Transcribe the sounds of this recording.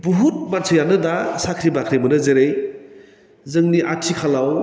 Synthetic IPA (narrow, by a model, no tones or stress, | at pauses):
buɦut̚mansʰɯjanɯdasakʰɾibakʰɾimɯnɯzeɾej | zɯŋniʔatʰikʰalaw